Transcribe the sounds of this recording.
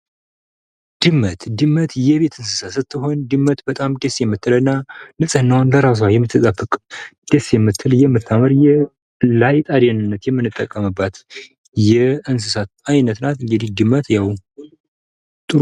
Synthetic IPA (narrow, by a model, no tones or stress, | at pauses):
d̪̥ɨmːət̪d̪ɨmːət̪jɛβe̞t̪ʰɨnsɨsasɨt̪ːɨɦo̞nd̪ɨmːət̪bət̪ʼamd̪esjɛmːɨt̪ʰːɨlənːanɨsʼɨnːawnləɾas̬wajɛmːɨt̪ʰːɨt̪ʼəbʼɨkʼd̪̥esjɛmːɨt̪ʰːɨljɛmːɨt̪ʰːaməɾjɛ | lajt̪ʼad̪enɨnːət̪jɛmːɨnːɨt̪ʼːəkʼːəmɨbːat̪ | jɛɨns̬ɨsat̪ajnət̪nat̪ɨŋɡɨd̪ihd̪ɨmːət̪jaw | t̪ʼɨɾ